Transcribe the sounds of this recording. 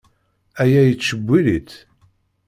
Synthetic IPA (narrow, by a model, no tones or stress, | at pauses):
æjæjət͡sːʃəbʷːilit̪